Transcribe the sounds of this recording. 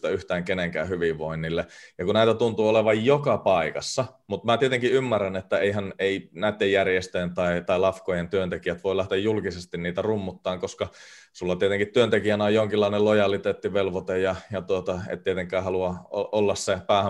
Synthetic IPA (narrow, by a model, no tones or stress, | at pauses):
t̪æyht̪æːŋkeneŋkæ̰ːhyʋiʋʋoinːilːejɑkunæˑit̪æt̪unt̪uːoleʋɑjjokɑpɑikɑsːɑmut̪mæt̪iet̪eŋkiymːærːænet̪ːæeiɦæneinæˑit̪ːejærjest̪øent̪ɑit̪ɑilɑfkojent̪yønt̪ekijæt̪ʋoilæht̪ejjulkisest̪inniːt̪ærumːut̪ːɑːŋkoskɑ | sulːɑt̪iet̪eŋkit̪t̪yønt̪ekiænæojjoŋkilːɑinelojɑlit̪eːt̪ːiʋelʋot̪ejjɑjɑt̪uot̪ɑḛt̪t̪iet̪eŋkˑæːhɑluɑoʔolːɑssepæːhæ